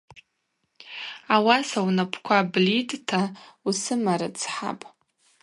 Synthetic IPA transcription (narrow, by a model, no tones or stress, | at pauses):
awasawnapʰkʷʰablitʼtʰausɨmaɾa̰t͡sʰħa̰pʼ